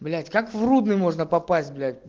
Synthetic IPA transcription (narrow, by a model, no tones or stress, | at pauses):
blʲætʲkakvrud̪nɨjmo̞ʐnəpɐpasʲt̚ʲblʲæt̚ʲ